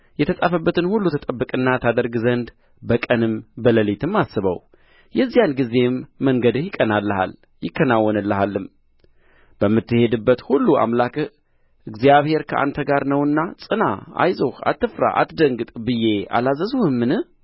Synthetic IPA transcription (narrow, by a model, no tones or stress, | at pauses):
jɛt̪ʰəsʼafəbːət̪ʰɨnhulːut̪ʰət̪ʼəbːɨkʼɨnːat̪ʰad̪əɾɡzənd̪ | bəkʼənɨmbələlit̪ʰɨmːasɨβə̰w | jɛzːijanɡize̞mːəŋɡəd̪ɨhjɪkʼːənalːəha̰l | jɪkːənawːɔnɨlːəɦalːɨm | b̥əmːɨt̪ːɨhe̞d̪ɨbːət̪hulːua̰mlak | ʔɨɡzijaβhe̞ɾkʰəʔa̰nt̪ʰəɡaɾnəwɨnːasʼɨna̰a̰jzoha̰t̪ːɨfɾa̰ʔa̰t̪d̪əŋɡɨt̪ʼbɨje̞a̰lazəzuhɨmːɨnɨh